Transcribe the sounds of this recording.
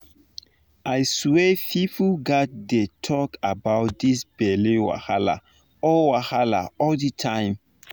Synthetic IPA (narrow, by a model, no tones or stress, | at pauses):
ʔajswefipuɡat̚detʰɔkabaʊt̚disbɛlewa̰hala̰ | ɔlwahala̰ɔlditʰãɪ̃m